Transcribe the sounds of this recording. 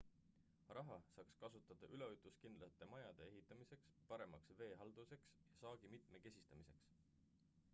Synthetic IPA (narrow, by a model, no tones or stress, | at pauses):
rɑɦɑsɑːkskɑsut̪ːˑɑd̪̥ɑʔyle̞ojt̪ˑuskind̪lɑt̪ːˑe̞mɑjɑd̪̥e̞e̞ɦit̪ːˑɑmise̞kspɑɾe̞mɑksve̞ːɦɑld̪̥use̞ksjɑsɑːɡ̥imit̪ˑme̞ke̞sʲist̪ɑmise̞ks